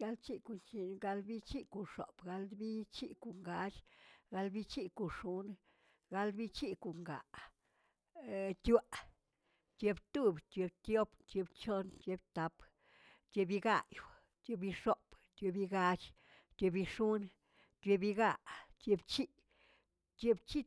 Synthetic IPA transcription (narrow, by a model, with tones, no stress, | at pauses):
ja˧˦lt͡ʃi˦ku˨nt͡ʃi˧ɡa˧lbi˦t͡ʃi˦ku˨ʂo̰˨b̥ɡa˧ld̪bi˦t͡ʃi˦ku˨ŋɡa˧t͡ʃɡa˧lbi˦t͡ʃi˦ku˨ʂu˦n | ɡa˧lbi˦t͡ʃi˦ku˨ŋɡa̰˨ʔ | t̪ʲa˦˨ʔ | t̪je˧bt̪u˦bt̪ʲje˧bt̪jo˦bt̪je˧bt͡ʃo˦nt͡ʃje˧bt̪a˧p | t̪ʲje˧bi˧ɡa˦˧jw | t̪ʲje˧bi˧ʂo˦b̥t̪ʲjo˧bi˧ɡa˧t͡ʃ | t̪ʲe˧bi˧ʂu˦n | t̪ʲje˧bi˧ɡa˧˨ʔt̪je˧bt͡ʃi˦ʔ | t̪je˧bt͡ʃi˦